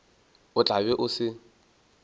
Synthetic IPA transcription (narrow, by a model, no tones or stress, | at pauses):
ʊt͡ɬʼabɛʔʊsɪ